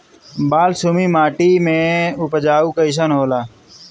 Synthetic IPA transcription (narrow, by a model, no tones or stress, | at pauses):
baːlsumiːmaːʈimẽʊpəd͡ʒaːuːkaɪʃ̬ənɦoːlaː